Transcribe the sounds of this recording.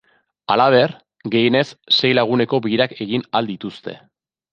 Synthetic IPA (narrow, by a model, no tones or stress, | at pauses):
alaβ̞e̞r | ɡe̞jene̞sːe̞jlaɣune̞ko̞biiɾake̞ɣinald̪it̪ust̪e̞̰